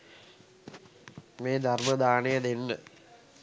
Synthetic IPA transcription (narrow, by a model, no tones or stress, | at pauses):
meːd̪ʱɐrmɐd̪aːɳeɐðenːɨ